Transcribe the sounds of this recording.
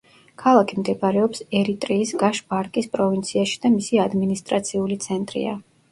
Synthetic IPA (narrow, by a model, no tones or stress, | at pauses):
kʰalˠakʰimd̪ɛbɾɛɔpsɛɾit̪ʼɾiːsɡaʃbaɾkʼispʼɾɔvint̪sʰiaʃi̥d̪̥amisiad̪minist̪ʼɾat̪sʰiulit̪sʰɛnt̪ʼɾḭa̰